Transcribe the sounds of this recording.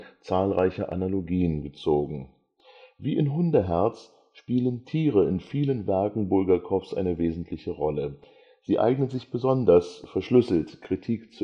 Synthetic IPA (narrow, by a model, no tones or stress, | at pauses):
t͡saːlʁaɪçɐʔa̰naloɡiːənɡət͡soːɡŋ̩ | viːʔɪnɦʊndəɦɛɐt͡s | ʃpiːləntʰiːʁəɪnfiːlənvɛɐkŋ̩bʊlɡɐkʰɔfsʔa̰ɪnəveːzn̩tʰlɪçəʁɔlə | z̥iːʔa̰ɪɡnənzɪçb̥əzɔndɐsfɛɐʃlʏsl̩tkʁ̥itʰiːkt͡s